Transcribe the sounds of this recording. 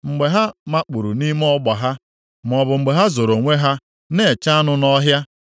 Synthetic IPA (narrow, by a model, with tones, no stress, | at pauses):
ŋ͡m̩˨ɡ͡be˨ɦa˦ma˦k͡pu˨ɾu˨ni˦m˦ɔ˦ɡ͡ba˨ɦa˦ | m˨ɔ˨bʊ˨ŋ͡m̩˨ɡ͡be˨ɦa˦zo˨ɾo˨ŋʷe˦ɦa˦ | ne˨t͡ʃa˦nʊ˦nɔ˦ɦja˦